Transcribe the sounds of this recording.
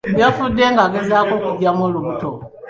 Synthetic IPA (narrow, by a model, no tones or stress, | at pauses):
bjofudeŋɡaɡezakokuɟamoluβuto